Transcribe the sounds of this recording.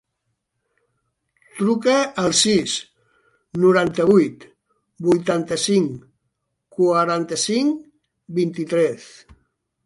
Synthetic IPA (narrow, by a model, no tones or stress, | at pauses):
t̪ɾukəəlˠsis | nuɾant̪əβ̞ujt̪ | bujt̪ant̪əsiŋ | kuaɾant̪əsiŋ | bint̪it̪ɾɛs